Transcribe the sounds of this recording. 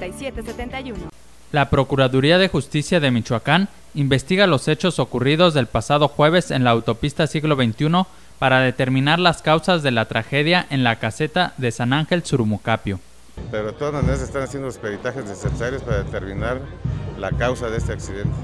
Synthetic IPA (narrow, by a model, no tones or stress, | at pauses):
asjet̪eseent̪ajun | lapɾo̞kuɾaðuɾiaðexust̪isjaðe̞mit͡ʃwakan | imbe̞st̪iɣalo̞se̞t͡ʃo̞so̞kurið̞o̞zðe̞lpasaðo̞xwe̞β̞e̞se̞nlaːwt̪o̞pist̪asiɣlo̞βe̞jnt̪juno̞ | paɾaðe̞t̪e̞ɾmĩnaɾlaskawsazðe̞lat̪ɾaxe̞ðjaʔe̞nlakase̞t̪aðe̞sanaŋxe̞lsuɾmukapjo̞ | peɾoðet̪oðazmaneɾas̬est̪anasje̞nd̪oospeɾit̪axe̞znesesaɾjo̞spaɾaðet̪eɾmĩnaɾlakawsaðeest̪eaksiðent̪e̥